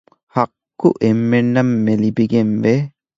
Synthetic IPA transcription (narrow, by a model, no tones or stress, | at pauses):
hɐkːuʔemːenːɐmːelibiɡenʋe